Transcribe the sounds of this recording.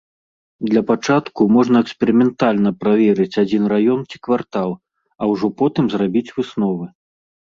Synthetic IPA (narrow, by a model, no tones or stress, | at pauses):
d̪lʲɐpat͡ʂat̪kumɔʐnɐɛkspʲɛɾɨmʲɛnt̪alʲnɐpɾavʲɛɾɨt͡sʲad͡zʲinrajɔnt͡sʲi̥kvart̪alˠ | ɐwʐɔpɔt̪ɨmzrabʲit͡sʲvɨsnɔvɨ